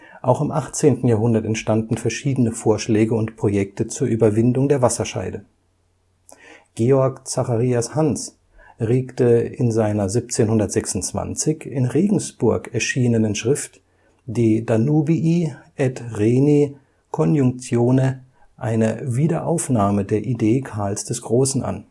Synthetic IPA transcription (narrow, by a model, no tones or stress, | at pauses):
ʔaʊxɪmʔaχt͡seːntn̩jaːɦʊndɐtɛntʃtandn̩fɛɐʃiːdənəfoːɐʃlɛːɡəʊntpʁ̥ojɛk̚tət͡suːɐʔyːbɐvɪndʊŋdeːɐvasɐʃa̰ɪdə | ɡ̥eːɔɐkt͡saχaʁiːashans | ʁeːktəɪ̰nzaɪnɐziːp̚t͡seːnhʊndɐtz̥ɛksʊnt͡sv̥a̰nt͡sɪçɪnʁeːɡŋ̩sb̥ʊɐkɛɐʃiːnənənʃʁ̥ɪft | d̥eːdanubiʔiʔɛtʁeːni | kʰɔnjʊŋk̚t͡sjoːnə | ʔaɪnəviːdɐʔaʊfnaːmədeːɐʔideːkʰaɐlsd̥ɛsɡ̥ʁoːsn̩ʔa̰n